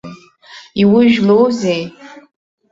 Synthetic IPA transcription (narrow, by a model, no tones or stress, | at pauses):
iwiʒᶣlowzej